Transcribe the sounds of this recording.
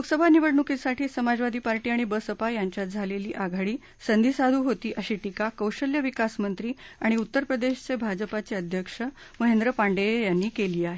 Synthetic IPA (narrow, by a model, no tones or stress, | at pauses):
joksəbʱaniʋəɽɳukisaʈʰiːsəmad͡zʋad̪ʱiːpaɾʈiːaɽ̃ibəsəpajaɲt͡ɕjat̪̚d͡zʱaleliːʔaɡʱaɽiː | sənd̪ʱisad̪ʱuːɦot̪iːʔəɕiːʈikakəwɕəljəʋikasmənt̪ɾiːaɽ̃iut̪ːəɾpɾəd̪eɕt͡sebʱad͡zəpat͡seəd̪ʱjəkʂə | məɦend̪ɾəpaɳɖejanːiːkeliːaɦe